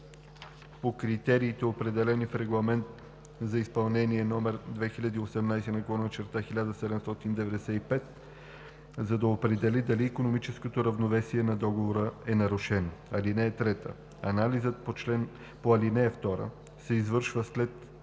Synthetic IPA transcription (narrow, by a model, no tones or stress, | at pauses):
pokɾit̪ɛɾiːt̪ɛopɾɛd̪ɛlɛnifɾɛɡlˠɐmɛnt̪ | zɐispɐlˠnɛniɛnɔmɛɾd̪vɛxilʲad̪iosɛmnajsɛnɐɡolˠɔnt͡ʃɛɾt̪axilʲad̪əsɛd̪ɛmst̪ɔt̪ind̪ɛvɛd̪ɛsɛipɛt̪̚ | zɐd̪ɐopɾɛd̪ɛlid̪ɐliːkonomit͡ʃɛskot̪oɾɐvnovɛsiɛnɐd̪ɔɡovoɾəɛnɐɾʊʃɛnoɐlinɛːt̪ɾɛt̪ə̰ | ɐnalizət̪̚pot͡ʃlɛn | poɐlinɛːft̪ɔɾə̰ | sɛizvɤɾʃvəslɛt̪